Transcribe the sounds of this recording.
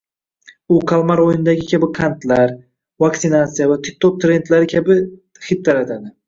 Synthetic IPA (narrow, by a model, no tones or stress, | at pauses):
ʊkʰalˠmaɾojɪnɪd̪aɡʲɪkʲʰabɪkʰant̪laɾ | vakt̪sɪnat̪sijavat̪ʰɪk̚ʲt̪ʰot̪̚t̪ːɾe̞nt̪laɾɪkʲʰabɪ | hɪp̚t̪aɾat̪ʰad̪ɪ